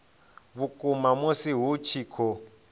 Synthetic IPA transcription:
βukʼumamosiɦut͡ʃʰikʰɔ

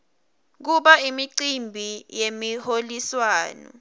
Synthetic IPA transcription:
k̬uɓaimiǀimbʱijemiholiswaːnɔ̰

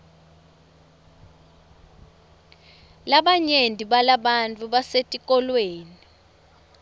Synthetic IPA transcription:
laɓaɲendʱiɓalaɓantʼuɓasetʼikʼɔlweːni

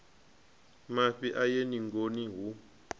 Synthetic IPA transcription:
maɸiʔajeniŋɡoniɦu

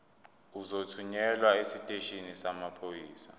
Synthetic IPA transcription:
uzotʰuɲɛlwaesitʼeʃinisamapʰojiːsa̰

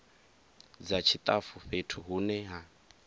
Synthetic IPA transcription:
d͡zat͡ʃʰit̪ʼafuɸetʰuɦunɛɦa

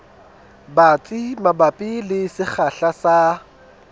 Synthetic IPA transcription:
bat͡sʼimabapʼilɪsɪk͡xʰaɬasa

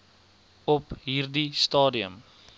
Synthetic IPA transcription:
ɔpɦiːrdistɑːdiəm

